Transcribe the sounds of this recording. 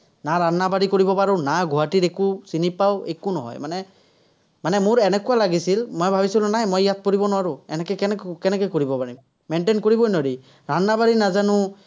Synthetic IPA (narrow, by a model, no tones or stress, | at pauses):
naɹanːabaɹikoɹibɔpaɹɔnaɡʱuɦatiɹekusinipawḛkunɔ̰ɦɔ̰jmanɛ | manɛmʊɹɛnɛkuwalaɡisilmojbʱabisilʊ̃najmɔjjat̪̚poɹibɔnɔaɹʊɛnɛkɛkɛnɛkkɛnɛkɔjkoɹibɔpaɹim | mɛnʈenkoɹibɔjnoɾi | ɹanːabaɹinazanʊ